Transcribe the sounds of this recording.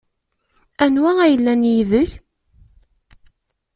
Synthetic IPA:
ænwææjəlːænjiðəç

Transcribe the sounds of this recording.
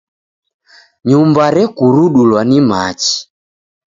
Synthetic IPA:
ɲumbaɾɛkuɾuɗulwanimat͡ʃi̥

